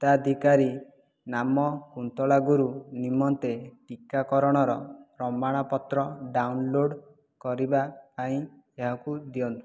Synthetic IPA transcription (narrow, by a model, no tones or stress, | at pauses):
t̪ad̪ʱikaɾi | namɔkunt̪ɔlaɡuɾunimɔnt̪eʈikakɔɾɔɽ̃ɔɾɔɾɔmbaɽ̃apɔt̪ɾɔɖawnloɽ | kɔɾibapaĩ | eɦakud̪iɔnt̪u̥